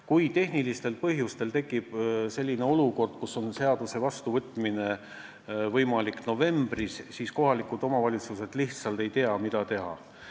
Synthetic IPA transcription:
kujt̪e̞ɦnilist̪e̞lpɤɦjust̪e̞lt̪e̞kːˑib̥selʲːine̞o̞luko̞rd̪̥̚kuso̞nse̞ɑd̪̥use̞vɑst̪uvɤt̪ːˑmine̞ | vɤjmɑlikno̞ve̞mb̥rissiːsko̞ɦɑlikud̪o̞mɑvɑlʲit̪suse̞d̪̥liht̪sɑlt̪e̞jt̪eɑmid̪̥ɑt̪e̞ɦɑ̰

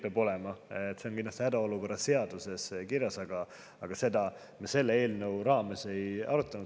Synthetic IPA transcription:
peɑbo̞lɛmɑt̪ːˑse̞onkinlɑst̪hæd̪ɑo̞luko̞rːɑse̞ɑd̪̥use̞skiɾjɑsɑɡ̥ɑ | ɑɡ̥ɑse̞d̪̥ɑ | mese̞lːee̞ːlnəwɾɑːme̞se̞jɑɾut̪ːˑɑnu̥

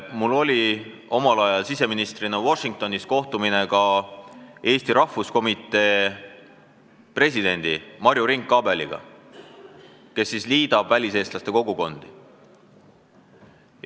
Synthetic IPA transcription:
mulːo̞lʲi | o̞mɑlɑjɑlsise̞minist̪rinɑwo̞ʃiŋk̚t̪o̞nisko̞ht̪umine̞kɑ | e̞ːst̪iɾɑhfusko̞mit̪ːˑe̞ː | pre̞sʲid̥̪e̞nʲd̪̥imɑɾjuɾiŋkːˑɑbe̞lḭɡ̥ɑ̰ | ke̞sːisliːd̪̥ɑb̥vælʲise̞ːst̪lɑst̪e̞ko̞ɡ̥uko̞nd̪̥i

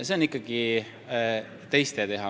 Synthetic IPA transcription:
se̞onikːˑɑɡ̥i | t̪e̞jst̪et̪e̞ɦɑ

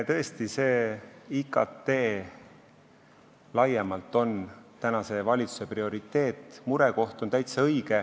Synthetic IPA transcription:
t̪ɤ̞est̪ise̞ːikːˑɑ̰t̪ːe̞ː | lɑjemɑlt̪ːˑo̞nt̪ænɑse̞vɑlʲit̪su̥se̞prio̞ɾit̪ːˑe̞ːt̪ːˑmuɾeko̞ht̪o̞nt̪æjt̪sɑɤjɡ̥e

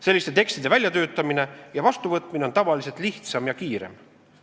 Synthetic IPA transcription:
se̞lːist̪et̪e̞kst̪id̪̥e̞vælʲjɑt̪ø̞ːt̪ːˑɑmine̞jɑvɑst̪uvɤt̪ˑmineont̪ɑvɑlise̞lt̪ˑliht̪sɑmjɑkiːɾḛm

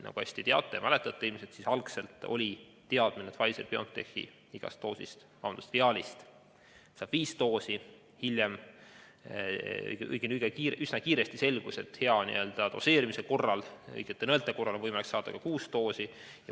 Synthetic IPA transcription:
nɑ̰ɡ̥uɑsʲt̪it̪eɑ̰t̪ˑːejmælet̪ːˑɑt̪ːeilimiset̪sisɑlkse̞lt̪ˑo̞̰lʲi | t̪e̞ɑd̪̥minet̪vɑlʲiselpeont̪ːe̞hḭ | iɡ̥ɑ̰st̪ːo̞ːsḭst̪mɑ̰wnd̪ust̪veɑːlʲist̪ | sɑːb̥viːst̪o̞ːsi | hiljem | jɡɯ̰jɡ̥eniɡ̥ekiːʔysnɑkiːɾe̞st̪ise̞lɡ̥uset̪he̞ɑnḭø̞ld̪̥ɑd̪̥o̞se̞ːɾimiseko̞rːɑlɤ̰jɡ̥et̪ːenɤlt̪ːˑeko̞rːɑlevɤjmɑliksːɑːd̪̥ɑ̰kɑkuːst̪o̞ːsi | jɑ

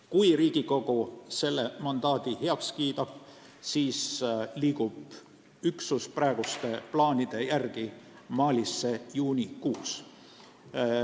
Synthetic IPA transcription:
kujriːɡ̥iko̞ɡuse̞lːe̞mɑnd̪̥ɑːd̪̥iheɑkskiːt̪ɑb̥̚ | siːsliːkub̥ | yksusprɑeɡ̥ust̪e̞plɑːnʲid̪̥e̞jærɡ̥i | mɑːlʲisːe̞juːnʲikuːs

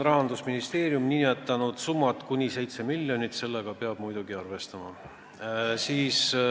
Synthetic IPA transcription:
rɑɦɑnd̪usminist̪e̞ːɾjumniet̪ːˑɑnud̪̥sumːɑt̪ˑkunʲise̞jt̪se̞milʲːjo̞nʲit̪se̞lːeɡ̥ɑpe̞ɑb̥mujd̪̥uɡiɑrve̞st̪ɑmɑ̰ | siːs

